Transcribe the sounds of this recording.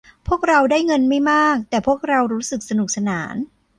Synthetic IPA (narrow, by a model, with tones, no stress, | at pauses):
pʰu˥˩ək̚ɾa˧wdaː˥˩jŋɤ˧nma˥˩jmaː˥˩k̚t̪ɛː˨˩pʰu˥˩ək̚ɾa˧wɾuː˦˥sɯ˨˩k̚sa˧nu˨˩k̚sa˧naː˩˦n